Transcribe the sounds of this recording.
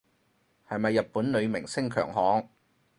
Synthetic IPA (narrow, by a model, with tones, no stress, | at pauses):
hɐ˨jmɐ˨jːɐ˨t̚pːuː˨˥nlɵ˨˧ɥmɪ˨˩ŋsɪ˥ŋkʰœː˨˩ŋɦɔː˨˥ŋ